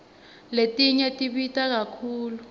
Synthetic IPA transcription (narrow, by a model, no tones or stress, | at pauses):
letʼiɲɛtʼiɓitʼak̬akʰuːlu